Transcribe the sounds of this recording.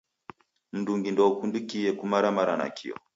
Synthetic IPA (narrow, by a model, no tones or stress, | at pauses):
m̩duŋɡindɔkundukiɛkumaɾamaɾana̰kʰḭɔ̰